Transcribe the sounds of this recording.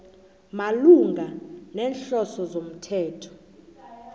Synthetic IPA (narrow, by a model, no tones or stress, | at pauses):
maluŋɡʱanɛːnɬɔsɔzom̩tʰɛːtʰɔ̥